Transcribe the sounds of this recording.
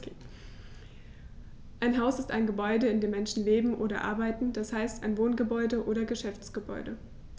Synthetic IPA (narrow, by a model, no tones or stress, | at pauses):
ʔaɪnɦaʊsɪstʔaɪnɡəbɔʏdəɪndeːmɛnʃn̩leːbm̩ʔoːɾɐ̰ʔa̰ɐbaɪtn̩d̥ashaɪstaɪnvoːnɡəbɔʏdəʔoːɾɐɡəʃɛft͡sɡ̥əbɔ̰ʏdə